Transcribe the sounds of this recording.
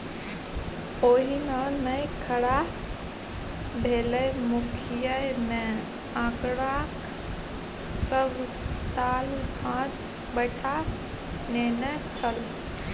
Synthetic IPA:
oɦinənəjkʰəɽa | bʱelɛmukʰijəjme | ə̃kɽãk | səbʱ | t̪albʱãt͡ʃ | bəɪʈʰa | nenɛt͡ʃʰəl

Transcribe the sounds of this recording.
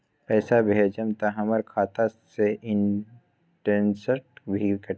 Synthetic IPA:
pɛːsabʱeːd͡ʒəmt̪aɦɐməɾkʰaːt̪aseʔɪ̃n | ʈensəʈ̚bʱikə

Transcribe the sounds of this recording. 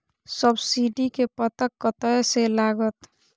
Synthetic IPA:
səbsiɖikepət̪əkːət̪əselaɡət̪

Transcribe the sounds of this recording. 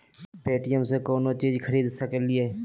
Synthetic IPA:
peːʈijəmsekoːnot͡ʃiːd͡ʒkʰəɾiːd̪səkelɪe

